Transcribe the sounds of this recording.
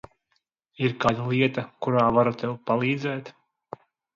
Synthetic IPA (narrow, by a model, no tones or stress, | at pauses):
iɾkaːd̪alˠiɛt̪akuɾaːvaɾut̪ɛwpalˠiːd̪zɛːt̪